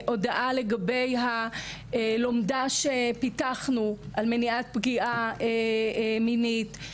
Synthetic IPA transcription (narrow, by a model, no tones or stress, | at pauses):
ʔo̞daʔale̞ɡabe̞jɦa | lo̞mdaʃepitaχnuʔalmeniat̚bɡiʔaeminit